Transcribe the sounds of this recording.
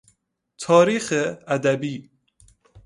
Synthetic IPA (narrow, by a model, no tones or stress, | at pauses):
t̪ʰɑːɾiːxɨæd̪æbiː